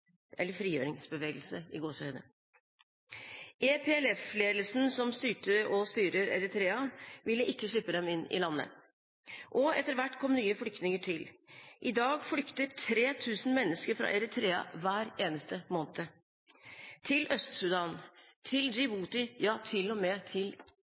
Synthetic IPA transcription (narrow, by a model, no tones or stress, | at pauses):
ʔɛlːəɾfɾiːjøːɾɪŋsbəʋeːɡəlsəɪ̰ɡoːsœʏnə̰ | ʔepʰeːɛlɛfleːd̪l̩sn̩sɔmst̪yːʈəʔɔst̪yːɾəɾɛ̰ɾət̪ʰɾeːɑʋɪlːəʔɪkːəʂɭɪpːəd̪ɛmɪnːɪ̰lɑnːə̰ | ʔɔɛt̪ːəɾʋæʈːkʰɔmːnyːəfɽʏkt̪nɪŋəʈʰɪlʔɪd̪ɑːɡfɽʏkt̪əʈʰɾeːt̪ʰʉːsn̩mɛnːəskəɾfɾɑ̰ːʔɛɾɪt̪ʰɾeːɑ̰ʋæːɾeːnəst̪əmoːnt̪ʰə | t̪ʰɪlœst̪sʉd̪ɑːn | t̪ʰɪld͡ʒɪbuːt̪ɪjɑːt̪ʰɪlɔmeːt̪ʰɪl